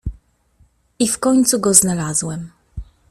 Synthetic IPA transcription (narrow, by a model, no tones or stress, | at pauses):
ifkɔɲt̪suɡɔznalazwɛm